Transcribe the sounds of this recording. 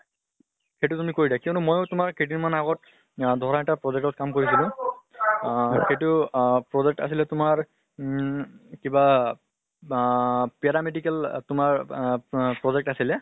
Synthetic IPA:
xejtʊtumikoɹidakiɔ̃nʊmojʊtʊmaɹkeʈ̬iɹmanaɡɔt̚ | dʱɔɹaɛtapɹɔd͡ʒɛkʈɔt̚kamkoɹis̬ilʊ̃ | xejtʊpɹɔzɛk̚ʈa̰silɛtʊmaɹ | kiba | pɛɾamedikɛltʊmaɹ | pɹɔd͡ʒɛk̚ʈasilɛ

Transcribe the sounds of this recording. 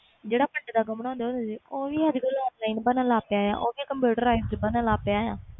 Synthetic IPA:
d͡ʒeːɽaːpəɳɖd̪aːɡəmɳãːnd̪eɦõːnd̪ed͡ʒiːoːʋiːəd͡ʒkəlɔːplaːinbənaːlaːpeaːja̰ːʔoːʋiːkəmpuːʈəɾaːɪzbənəlaːpeaːjaː

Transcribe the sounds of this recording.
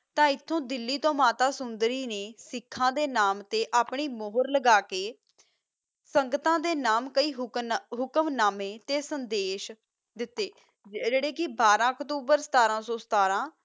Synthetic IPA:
t̪ãːɪt̪ʰːõːd̪ɪlːiːt̪õːmaːt̪aːsʊnd̪ɾiːneːsɪkʰːãːd̪eːnaːmt̪eːʔaːpɳiːmoːɦʊɾləɡaːkeː | səŋɡət̪ãːd̪eːnaːmkəiːɦɦʊkəmnaːmeːt̪eːsənd̪eːʃ | d̪ɪt̪ːeː | d͡ʒeeːɽeːkɪbaːɾãːəkt̪uːbəɾsə̥t̪aːɾãːsõːsə̥t̪aːɾãː

